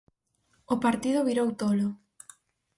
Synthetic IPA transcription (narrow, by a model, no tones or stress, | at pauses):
ʊpaɾt̪ið̞ʊβiɾowt̪olʊ